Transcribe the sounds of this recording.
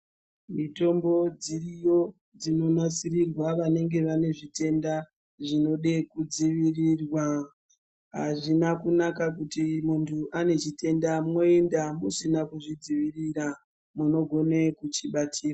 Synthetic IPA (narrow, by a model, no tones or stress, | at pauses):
mito̞mbo̞d͡zirijo̞ | d͡zino̞nat͡sirirwaʋane̞ŋɡe̞ʋane̞ʐite̞nda | ʐino̞ɗekud͡ziʋirirwa | ɦaʐinakunakakutimuntʰuʔane̞t͡ʃite̞ndamŋo̞endamusinakuʐid͡ziʋiriɾa | muno̞ɡʱo̞nekut͡ʃiɓatʰiːra